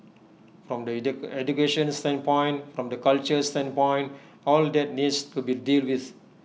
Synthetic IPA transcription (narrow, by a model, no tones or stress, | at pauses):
fɾɔ̃mdəɛd͡ʒukeʃə̃nstɛ̃npɔ̃j̃nfɾɔ̃mdəkalt͡ʃəstɛ̃npɔ̃j̃n | ɔldɛt̚nidstubidilwiθ